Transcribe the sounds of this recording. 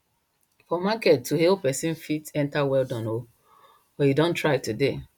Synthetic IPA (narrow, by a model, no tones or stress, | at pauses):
fɔmakɛtʰːuhelpɛsĩnfitɛ̃ntawɛldɔ̃no | wɛ̃jidɔ̃ntɹaɪtude